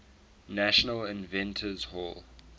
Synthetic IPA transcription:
næʃənəlɪ̃nvɛ̃ntʰəzhɔlˠ

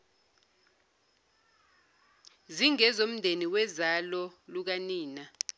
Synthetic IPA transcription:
ziŋɛzom̩ndʱeniwɛzalɔluk̬aniːna

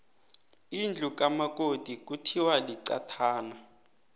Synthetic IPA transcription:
ind͡ɮʱuk̬ʼamak̬ʼod̥ʱik̬ʼutʰiwaliǀa̰tʰaːna

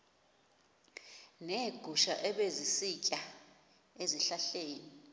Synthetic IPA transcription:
neɡ̥ʱuʃaʔɛɓezisicʼa | eziɬaɬeːni

